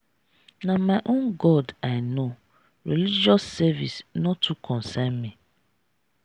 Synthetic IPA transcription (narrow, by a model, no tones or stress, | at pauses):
namaʔõnɡɔdaɪno | ɾilid͡ʒɔsːɛvḭsnɔtːukʰɔ̃n̩sɛnmi